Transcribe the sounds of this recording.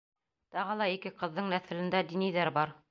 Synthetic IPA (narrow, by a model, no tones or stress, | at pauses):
t̪ɑʁɤlˠɑikɘqɤ̆ðːɤɴnæθɘ̆lɘ̆nd̪æd̪inijðæɾbɑɾ